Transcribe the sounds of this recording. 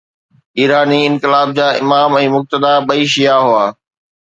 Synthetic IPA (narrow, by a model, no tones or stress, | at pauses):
iːɾaːniɪ̃nkɪlaːb̚d͡ʑaːʔɪ̰maːmɛ̃ːmʊk̚t̪əd̪aɓɐiːʃijaɦʊaː